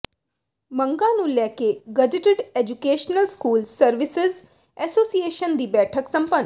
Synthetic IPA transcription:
mə̃ŋɡãnũːlɛːkeɡɐd͡ʒɪʈɪɖeːd͡ʒukeːʃnəlskuːlsəɾʋɪsɪz | ɛːsoːsieːʃənd̪iːbɛːʈʰəksə̃mpə̃n

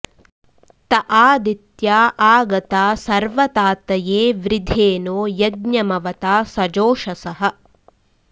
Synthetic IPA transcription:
t̪ɐʔaːd̪it̪jaːʔaːɡɐt̪aːsɐɾʋɐt̪aːt̪ɐjeːʋɾid̪ʱeːnoːjɐɡ̚ɲɐmɐʋɐt̪aːsɐd͡ʒoːʃɐsɐɦɐ

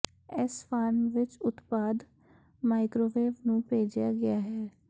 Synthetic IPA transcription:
ɛspʰaːɾmʋɪt͡ʃʊt̪paːd̪ | maːɪkɾoːʋeːʋnũːpeːd͡ʒjaːɡɪaːɦɛː

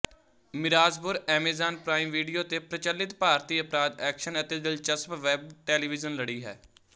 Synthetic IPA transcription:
mɪɾaːzpʊɾɛːmeːzaːnpɾaːiːmʋiːɖijoːt̪eːpɾət͡ʃəlːɪt̪paːɾt̪iːəpɾaːd̪ɛːkʃənət̪eːd̪ɪlt͡ʃəspʋɛːbʈɛːliːʋɪzənləɽiːɦɛ̰ː

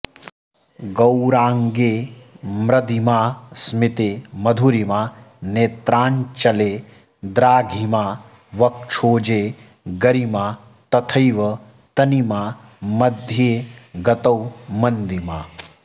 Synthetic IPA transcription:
ɡɐwɾaːŋɡeːmɾɐd̪imaːsmit̪eːmɐd̪ʱuɾimaːneːt̪ɾaːɲt͡ʃɐleː | d̪ɾaːɡʱimaː | ʋɐk̚t͡ʃʰoːd͡ʒeː | ɡɐɾimaː | t̪ɐt̪ʰɐjʋɐ | t̪ɐnimaː | mɐd̪ʱjeːɡɐt̪ɐwmɐnd̪imaː

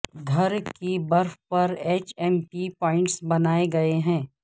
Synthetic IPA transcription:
ɡʱɐɾkibɐɾfpɐɾeːt͡ʃɛːmpipɔːɪ̃ɳʈsbɐnaːeɡɐeɦɛ̃ː

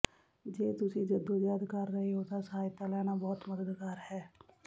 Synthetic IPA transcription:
d͡ʒeːt̪ʊsid͡ʒəd̪ːojaːd̪kəɾːəɦiɦoːt̪asəɦaːjt̪alɛːnabɔːt̪məd̪əd̪kaːɾhɛː

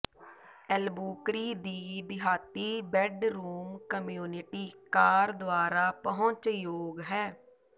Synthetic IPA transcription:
ɛlbuːkɾiːd̪iːd̪ɪɦaːt̪iːbɛːɖɾuːmkəmjuːnɪʈiːkaːɾd̪oaːɾaːpəɦʊ̃t͡ʃjoːɡɦɛː

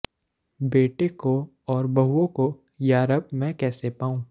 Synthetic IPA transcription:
beːʈeko | ɔːɾbɐɦuõko | jaːɾəb̚mɛ̃kɛːsepaːũː

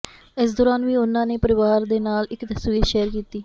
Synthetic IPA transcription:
ɪs̬d̪ɔːɾaːnʋiːʊnãːneːpəɾɪʋaːɾd̪eːnaːlɪkt̪əsʋiːɾʃɛːəɾkiːt̪iː

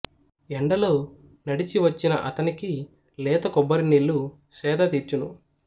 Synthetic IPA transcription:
ɛɳɖɐlo̞ː | nɐɽit͡ʃiʋɐt͡ʃːinɐʔɐt̪ɐniki | lɛːt̪ɐkɔbːɐɾinilːu | sɛːd̪ɐt̪iːɾt͡ʃunu

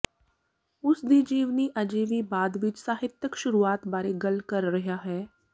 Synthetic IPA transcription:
ʊsd̪id͡ʒiːʋniʔɐd͡ʒiːʋibaːd̪ʋɪt͡ʃsaːɦɪt̪jəkʃʊɾuaːt̪baːɾeɡɐlkɐɾːɐɦaɦɛː

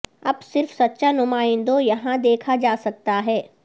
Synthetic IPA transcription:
ɐbsɪɾfsɐtːʃanʊmaːɪ̃nd̪õjɐɦãd̪eːkʰad͡ʒaːsɐk̚t̪aɦɛː

